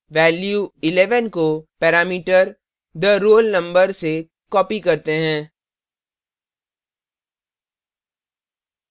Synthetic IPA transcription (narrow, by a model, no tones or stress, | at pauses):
ʋɛːljuɪlɛːʋənkopɛːɾaːmiːʈəɾ | d̪əɾoːlnɐ̃mbəɾse | kɔːpikɐɾt̪eɦɛ̃ː